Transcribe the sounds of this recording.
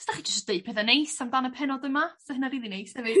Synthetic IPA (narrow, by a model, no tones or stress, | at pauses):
sd̥aχiːd͡ʒəsd̥eɨpʰɛðənejsamdanəpʰɛnɔdəmasɛənaɾiːlˠinejshɛvɨ̥